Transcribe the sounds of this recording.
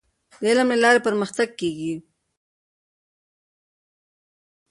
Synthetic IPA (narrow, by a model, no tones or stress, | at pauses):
d̪elamelɑɾepəɾməxt̪aɡ̚keɡi